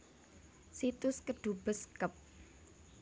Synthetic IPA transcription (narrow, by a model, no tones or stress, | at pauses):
sit̪ʊskəɖ̪̥ṳb̥əskəp̚